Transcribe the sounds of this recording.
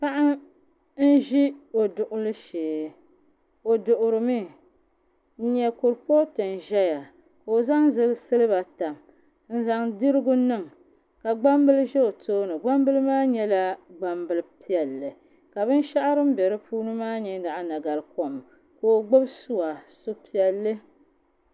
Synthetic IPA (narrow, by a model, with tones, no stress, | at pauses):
pa˦ʔa˦ | n̩˦ʒi˦o˨dʊ˨ʔʊ˦lɨ˦ʃeː˨ | o˨dʊ˨ʔʊ˨ɾɨ˨mi˦ | ɲɛ˦kʊ˨ɾpo˦tɨ˨n˨ʒɛ˦ja˨ | ka˨o˨za˦ŋzɨ˦sɨ˦lɨ˦ba˨ta˨m | n̩˦za˨ŋdɨ˦ɾɨ˦ɡʊ˦nɨ˦˨ŋ | ka˨ɡ͡ba˦mbɨ˦lɨ˦ʒɛ˦o˨toː˦nɨ˨ɡ͡ba˦mbɨ˦lɨ˦maː˦ɲɛ˦la˦ɡ͡ba˦mbɨ˨lɨ˦pi˦ɛ˨lːɨ˨ | ka˨bɨ˦n˦ʃa˦ʔa˦ɾɨ˦m̩˦bɛ˨ɾɨ˦pʰuː˦nɨ˦maː˦ɲɛ˦da˨ʔa˨na˨ɡa˨lko˨m | ko˦˨ɡ͡bo˦bsu˦wa˨so˦pi˨ɛ˨lːɨ˦